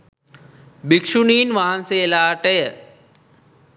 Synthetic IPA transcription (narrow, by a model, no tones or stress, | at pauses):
bikʃuniːnʋaɦənseːlaːʈejə